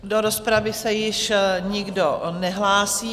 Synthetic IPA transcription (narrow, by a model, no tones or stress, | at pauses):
doɾospɾavɪsɛjɪʃɲɪɡdonɛɦlaːsiː